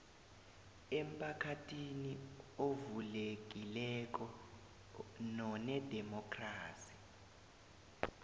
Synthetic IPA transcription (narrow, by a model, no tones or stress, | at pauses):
em̩pʰakʰatʰiniovulek̬ilɛk̬ʼɔ | nɔnɛdʱɛmɔkʰʼraːsi̥